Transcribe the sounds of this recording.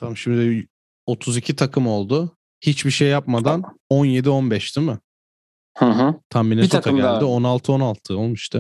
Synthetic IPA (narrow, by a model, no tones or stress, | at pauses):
t̪ʰamʃimd̪ɪ | o̞t̪ʰuzicʰit̪ʰakʰɯmo̞lˠd̪ʊ | hit͡ʃbiʃe̞jːapmad̪anonje̞d̪io̞nbɛʃd̪imɯ | hɯ̃ɦt̪ʰamːinɛskʰaɟældd̪ionalˠt̪ʰɯo̞nalˠt̪ʰɯo̞lˠmuʃt̪ʰɯ